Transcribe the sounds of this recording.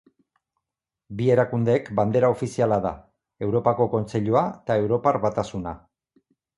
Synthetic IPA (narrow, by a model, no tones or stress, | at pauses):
bie̞ɾakund̪e̞kband̪e̞ɾao̞fisialaða̰ | e̞wɾo̞pako̞ko̞nt͡seʎuat̪ae̞wɾo̞parβat̪asuna